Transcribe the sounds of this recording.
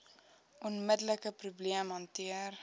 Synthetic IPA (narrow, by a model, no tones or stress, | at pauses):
ɔnmədələkəprubliəmɦɑntiər